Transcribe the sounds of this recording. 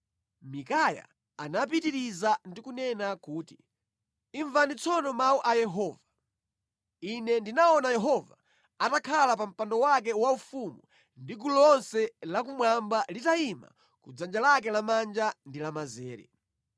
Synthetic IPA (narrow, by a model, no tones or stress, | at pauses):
mikaja̰ | anap̬itiɾizandikunɛnakuːti | iɱvanit͡sʰɔnɔmauʔajɛɦɔːva | inɛndinaɔnajɛɦɔva̰ | atakʰalap̬am̩pandɔwak̬ɛwaufumu | ndikulɔnsɛlak̬umwambalitaima̰ | kud͡zand͡ʒalak̬ɛlamand͡ʒandilamazɛːɾɛ̰